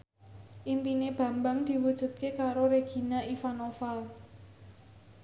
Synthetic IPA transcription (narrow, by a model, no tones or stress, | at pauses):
ʔimpineb̥ä̤mbaŋd̪̥i̤wud̥ʒ̥ṳt̪̚kekaɾoɾeɡ̥i̤naʔifanofal